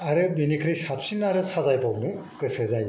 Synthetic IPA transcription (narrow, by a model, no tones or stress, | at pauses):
aɾɯbinikʰɾɯjsapsinnaɾɯsazajbawnukɯsɯzaj